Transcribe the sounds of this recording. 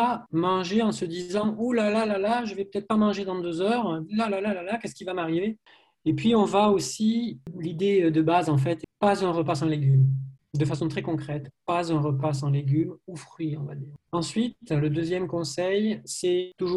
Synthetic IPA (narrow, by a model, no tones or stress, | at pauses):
amɑ̃ʒeɑ̃səd̪izɑ̃ulalalalaʒəvɛpət̪ɛt̪χəpamɑ̃ʒed̪ɑ̃d̪øzœʁlalalalalakɛskʲivamaʁive | epɥiɔ̃vaosilid̪ed̪əbazɑ̃f̬ɛt̪pazɛ̃ʁəpasɑ̃leɡʲym | d̪əfasɔ̃t̪χɛkɔ̃kχɛt̪pazɛ̃ʁəpas̬ɑ̃leɡʲymufχɥiɔ̃vad̪iːʁɑ̃sɥit̪ləd̪øzjɛmkɔ̃sɛjsɛt̪uʒu